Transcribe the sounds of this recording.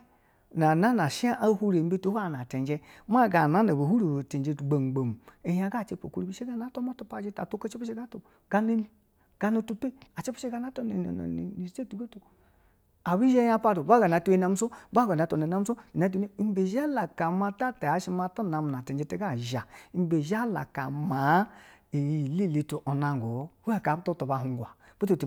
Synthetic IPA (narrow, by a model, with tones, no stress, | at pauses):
na˨na˦na˨ʃa˦ʔa˦hu˦ɾe˨m̩˦be˦to˦a˦˨na˨te˨nd͡ʒe˦m˦a˦˨ɡa˨na˨˦na˨ba˨hu˦ɾi˨bo˨te˨nd͡ʒe˨tɡ͡be˨ŋ͡mɡ͡be˨m˨e˨ja˨ɡa˦˨t͡ʃe˦po̰˨ku˦ɾi˦bi˦ʃe˦ɡa˦na˨˦to˦ma˦tu˦pa˨d͡ʒe˦ta˨to˦ka˦t͡ʃe˦pe˦ʃe˦ɡa˦to˨ | ɡ̥a˦ne˦ni˦ | ɡ̥a˦no˦tu˦pe˦a˨t͡ʃe˦pe˦e˦ɡa˨˦na˦to˦n̰˨n̰˨nḭ˨ni˨se˦˨tu˨ɡa˦to˨ | a˨bi˦ʒe˦ja˦pa˦do˨ba˦ɡa˨na˨tu˦e˦na˨˦m̩˦so˦ba˦ɡa˨na˨to˨e˨na˦m̩˦so˦i˨na˨˦t̬u˨ne˦i˦m˦be˨ʒa˦la˨ka˨ma˦ta˦te˨a˨ʃi˦ma˦ta˦na˨m˨a˨te˨d͡ʒe˦te˦ɡa˦˨ʒa˨i˨m˦be˨ʒa˦la̰˨ka˨ma˨˦i˨ji˨li˦˨le˨to˨ʔo˨na˨ŋ˨ɡo˨˦ha˦˨ka˨bto˦to˨ba˨ɦu˨ŋ˨ɡʷa˨b̥u˦o˨ti˨